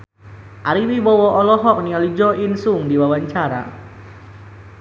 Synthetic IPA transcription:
ʔaɾiwibɔwɔʔɔlɔɦɔk̚niɔlid͡ʒɔʔinsʊŋdiwawaɲt͡ʃaɾa̰

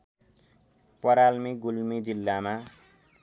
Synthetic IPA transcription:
pʌɾalmiɡulmid͡zilːama

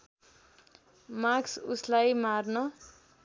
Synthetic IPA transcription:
maksuslajmarnʌ

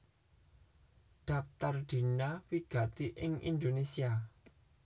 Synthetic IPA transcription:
d̪̥a̤p̚t̪ard̪̥i̤nawiɡ̥ä̤t̪iʔɪŋʔḭnd̪onesia

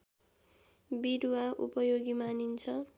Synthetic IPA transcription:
biɾuwaʔṵpʌjoɡimanint͡sʰʌ

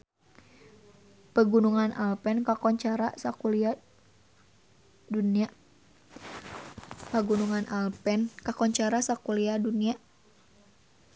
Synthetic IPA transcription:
pəɡunuŋanalpɛnkakɔɲt͡ʃaɾasakulia | dunia | pəɡunuŋanʔalpɛnkakɔɲt͡ʃaɾasakuliadunia

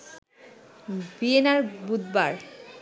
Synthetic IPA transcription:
bienaɾbud̪ba̰ɾ

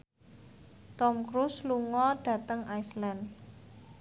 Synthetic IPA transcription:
t̪ɔmkɾusluŋɔɖ̥ä̤t̪əŋajslan

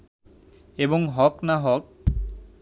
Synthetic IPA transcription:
ebɔŋɦɔknaɦɔk̚

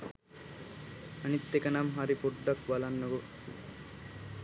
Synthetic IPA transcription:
ɐnit̪ːekɐnamɦaɾipuɖːakbalanːəʋo

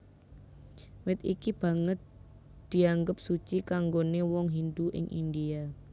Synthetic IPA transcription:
wɪt̪ikib̥ä̤ŋət̪̚ | d̪̥i̤aŋɡəp̚sut͡ʃikaŋɡonewɔŋɦind̪uʔɪ̰ŋʔḭndia

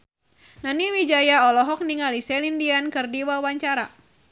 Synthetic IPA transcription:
naniwid͡ʒajaɔlɔɦɔk̚niŋalisɛlindiankɨrdiwawaɲt͡ʃaɾa

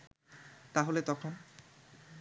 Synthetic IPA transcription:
t̪aɦolet̪ɔkʰon

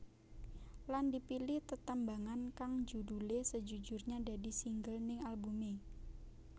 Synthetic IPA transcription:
landipilɪht̪ət̪əmbaŋankaŋd͡ʒudulesəd͡ʒud͡ʒʊrɲadadisiŋɡəlnɪŋalbume

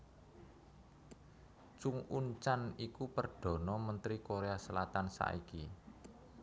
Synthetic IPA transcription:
t͡ʃuŋuɲt͡ʃanikupərɖ̥ɔ̤nɔmənt̪ɾikoɾeasəlat̪ansa̰ʔiki

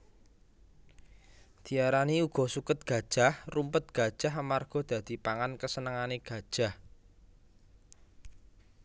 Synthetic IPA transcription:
d̪̥i̤aɾaniuɡ̥ɔ̤sukət̪̚ɡ̥a̤d̥ʒ̥a̤hrumpət̪̚ɡ̥a̤d̥ʒ̥a̤ɦəmarɡ̥ɔ̤d̪̥a̤d̪̥i̤paŋankəsənəŋaneɡ̥a̤d̥ʒ̥a̤h

